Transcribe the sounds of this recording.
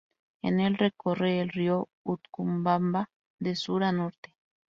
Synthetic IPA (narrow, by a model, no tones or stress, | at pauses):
ḛnelrekoreːlriout̪kumbamba | d̪esuɾanoɾt̪e